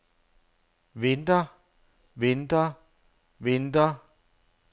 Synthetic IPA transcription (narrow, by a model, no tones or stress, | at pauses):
ʋend̥ɐ | ʋend̥ɐ | ʋend̥ɐ